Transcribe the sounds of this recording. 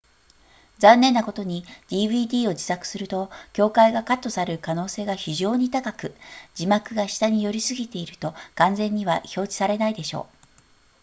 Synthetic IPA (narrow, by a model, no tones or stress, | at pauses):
d͡zãnːẽ̞nːako̞t̪o̞ɲ̟id̪̥ʲiːβɯ̟ːd̪ʲiːo̞d͡ʑi̥sakɯ̟̥sɨɾɯ̟t̪o̞kʲo̞ːkaiɡakat̪ːo̞saɾɯ̟kano̞ːse̞ːɡaçiʑo̞ːɲ̟it̪akakɯ̟d͡ʑimakɯ̟ɡaɕi̥t̪aɲ̟ijo̞ɾʲisɨɡʲit̪e̞iɾɯ̟t̪o̞ɡ̥ãnd͡zẽ̞ɲ̟ːiβaço̞ːd͡ʑi̥saɾe̞naid̪e̞ɕo̞̰ː